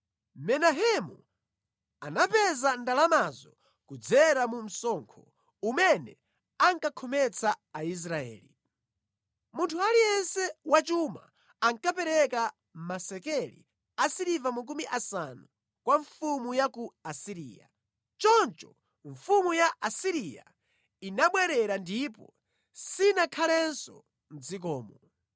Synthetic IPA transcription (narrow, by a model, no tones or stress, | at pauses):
mɛnaɦɛmu | a̰napɛzandalamazɔ | kud͡zɛɾamum̩sɔŋkʰɔ | umɛnɛ̰ | aŋkakʰɔmɛt͡sʰaːis̬ɾaɛ̰ːli | muntʰualijɛnsɛwat͡ʃuma̰ː | ŋkapɛɾɛka | m̩masɛkɛlḭ | asiɾivamak̬umiʔasanu | kwaɱfumujakuasiɾḭːja̰ | t͡ʃɔnt͡ʃɔ | ɱfumujaʔasiɾija̰ | inaɓwɛɾɛɾandipɔ | sinakʰalɛnsɔ̰ | nd͡zik̬ɔːmɔ